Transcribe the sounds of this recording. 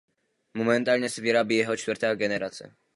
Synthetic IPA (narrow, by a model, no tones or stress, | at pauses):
momɛnt̪aːlɲɛsɛviɾabiːjɛɦot͡ʃt̪vɾ̩t̪ɛːaɡɛnɛɾat͡sɛ̰